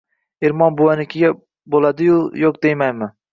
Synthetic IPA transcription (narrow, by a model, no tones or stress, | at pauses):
eɾmɒnbʊwanɪkʲʰɪɡʲa | bolˠad̪ɪjʊjoqd̪ejmajmɪ